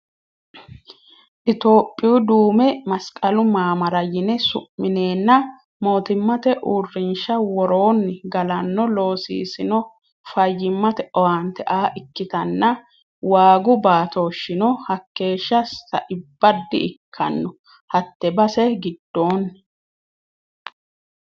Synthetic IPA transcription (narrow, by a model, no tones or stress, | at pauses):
ʔɪt̪o̞ːpʼːɪʊd̪uːmɛmɐskʼɐlʊmaːmɐɾɐjɪnɛsʊ̰ʔːɪne̞ːnːɐ | mo̞ːt̪ɪmːɐt̪ɛʔuːrːɪnʃɐwɔɾo̞ːnːɡɐlɐnːɔlo̞ːsḭːsɪnɔ | fɐjːɪmːɐt̪ɛʔɔwant̪ɛʔaːʔɪkːɪt̪ɐnːɐ | waːɡʊbaːt̪o̞ːʃːɪnɔhɐkːe̞ːʃːɐsːɐ̰ʔɪbːɐd̪ːɪɪkʰːɐ̰nːɔ | hɐt̪ːɛbɐsɛɡɪd̪ːo̞ːn